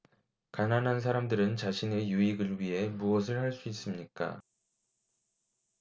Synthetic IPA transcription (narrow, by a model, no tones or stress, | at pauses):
kananɦans̬ʰaɾamdɯɾɯnt͡ɕaɕʰine̞juiɡɯɭɥiɦe̞muʌs̬ʰɯɭhaɭs͈uis͈ɯmɲik͈a̰